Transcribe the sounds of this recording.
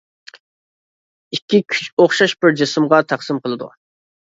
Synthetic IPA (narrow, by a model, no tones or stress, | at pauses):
ikʲːikʲʰy̥t͡ʃoχʃɑʃbɪɾd͡ʒesɨmʁɑt̪ʰɑqsɨmqəlˠɨd̪ṵ